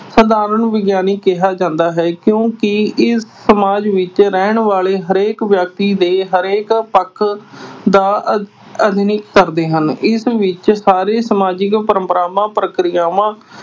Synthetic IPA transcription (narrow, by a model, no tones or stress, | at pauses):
səd̪aːɾəɳʋɪɡjaːniːkɪɦaːd͡ʒãːnd̪aːɦɛːkjõːkɪɪsːəmaːd͡ʒʋɪt͡ʃɾɛːɳʋaːleːɦəɾeːkʋjək̚t̪iːd̪eːɦəɾeːkpəkʰːd̪aː | əd̪ɪnɪkːəɾd̪eːɦənɪsʋɪt͡ʃsaːɾeːsəmaːd͡ʒɪkpəɾə̃mpəɾaːʋãːpɾəkɾɪjaːʋãː